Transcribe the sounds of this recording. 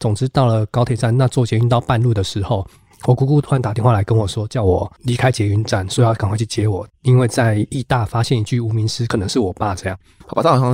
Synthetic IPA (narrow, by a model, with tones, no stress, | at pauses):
t͡sʊ˨˩ŋʈ͡ʂɻ̩˥t̪ɑ˥˩ʊlə˩kɑ˥ʊt̪ʰe˨˩t͡sa˥˩nna˥˧t͡swɔ˥˩t͡ɕjɛ˧˥y˧˥nt̪ɑ˥˧ʊpa˥˧nlu˥˩d̪ə˩ʂɻ̩˧˥xo˥˩ʊ | wɔ˨˩ku˧˥ku˥˧t̪ʰwa˧˦nt̪a˨˩t̪jnxwa˥˩la˧˥ɪkə˦˥nwɔ˨˩ʂwɔ˦˥t͡ɕjɑ˥˩ʊwɔ˨˩li˧˥kʰa˥ɪt͡ɕjɛ˧˥y˧˥nt͡sa˥˩nsɔ˥˨˦jka˨˩ŋkʰwa˥˧t͡ɕʰy˥˩t͡ɕjɛ˧˥wɔ˨˩˦i˦˥nwe˥˧ɪt͡sa˥˧ɪi˥˧t̪a˥˨˩fa˥ɕjɛ˥˩ni˧˥t͡ɕy˥˩u˨˧˥mi˧˥ŋsɹ̩˦˥kʰɤ˨˩nɤ˧˦ŋʂɻ̩˥˩wɔ˨˩pa˥˧ʈ͡ʂɤ˥˧jɑ˥˨ŋ | a˨˩ba˥˩˥ɑ˥˧